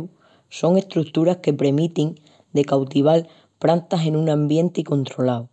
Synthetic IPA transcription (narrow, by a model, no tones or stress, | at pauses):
so̞ŋe̞st̪ɾukt̪uɾahke̞pɾe̞mit̪iŋ | d̪e̞kawt̪iβ̞al | pɾant̪ase̞nũŋãmbje̞nt̪eiko̞nt̪ɾo̞law